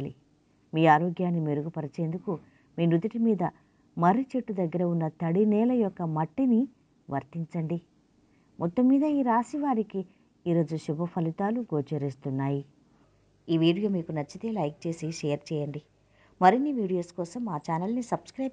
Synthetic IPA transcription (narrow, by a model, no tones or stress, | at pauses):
lḭ | miːaːɾoːɡjaːnːime̞ɾuɡupɐɾɐt͡ʃe̞ːnd̪uku | miːnud̪ɐʈimiːd̪ɐ | mɐɾit͡ʃeʈːud̪ɐɡːɐɾɐunːɐt̪ɐɽinɛːlɐjɔkːɐmɐʈːini | ʋʔɐɾt̪iɲt͡ʃɐɳɖi | mʔɔt̪ːɐmːiːd̪ɐiːɾaːsiʋaːɾiki | iːɾo̞ːd͡ʒuʃubʱɐpʰɐlit̪aːluɡoːt͡ʃeɾist̪unːaːji | iːʋiːɽijoːmiːkunɐt͡ʃːɐt̪eːlɐjk̚t͡ʃe̞ːsiʃejɐɾt͡ʃɛːjɐɳɖi | mɐɾinːiʋiːɽijo̞ːskɔːsɐmːaːt͡ʃaːnɐlnisɐbskɾɐj